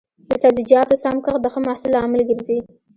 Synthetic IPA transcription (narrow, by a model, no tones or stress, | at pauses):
d̪əsabzid͡ʒjɑt̪osamkəxd̪əxəmahsɪlɑmɪlɡəɾzi